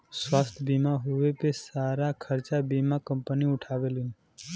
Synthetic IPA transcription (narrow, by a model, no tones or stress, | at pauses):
swast̪ʰbimaɦuʋepesaɾakʰəɾt͡ʃabimakəmpəniʊʈʰaːʋelin